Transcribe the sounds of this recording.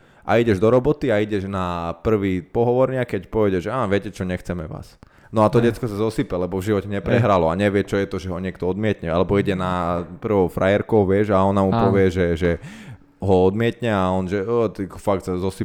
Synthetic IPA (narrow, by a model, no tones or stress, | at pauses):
ʔa̰iɟɛʒd̪ɔɾɔbɔt̪iaiɟɛʒnapr̩ʋiːpɔɦɔʋɔɾɲɪakɛcpɔʋɛɟɛʒɛaːnʋɪɛcɛt͡ʃɔɲɛxt͡sɛmɛʋa̰ːs | nɔat̪ɔɟɛt͡skɔsazɔsipɛlɛbɔvʒiʋɔcɛɲɛpɾɛɦɾalɔaɲɛʋɪɛt͡ʃɔjɛt̪ɔʒɛɦɔɲɛkt̪ɔɔd̪mɪɛt̪ɲɛalɛbɔiɟɛnapr̩ʋɔʊfɾʔajɛɾkɔʊʋɪɛʒaɔnamuppɔʋɪɛʒɛʒɛ | ɦɔɔd̪mɪɛt̪ɲɛaɔnʒɛəːt̪ɛkfak̚t̪sazɔsi